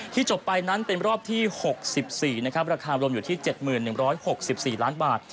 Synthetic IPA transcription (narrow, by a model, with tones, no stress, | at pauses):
t̪ʰiː˥˩t͡ɕo˨˩pːa˧jna˦˥npe˧nɾɔː˥˩p̚t̪ʰiː˥˩ho˨˩k̚si˨˩p̚siː˨˩na˦˥kʰp̚ɾa˧kʰaː˧ɾu˧mjuː˨t̪ʰiː˥˩t͡ɕe˨˩t̪̚mɯː˨˩nːɯ˨˩ŋɾɔː˦˥jho˨˩k̚si˨˩p̚siː˨˩laː˦˥nbaː˨˩t̪̚